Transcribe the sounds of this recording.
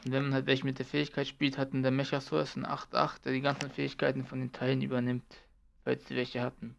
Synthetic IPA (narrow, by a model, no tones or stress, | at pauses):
ʊntvɛnmanhaltvɛlçəmɪt̚d̥eːɐfɛːɪçkʰaɪtʃpiːlthatn̩deːɐmɛçɐsɔɐsɪnʔa̰χtʔa̰χt̚d̥eːɐdiːɡant͡sn̩fɛːɪçkʰaɪtn̩fɔndeːntʰaɪlənʔyːbɐnɪmt | fa̰ltsd̥ḭvɛlçəhatn̩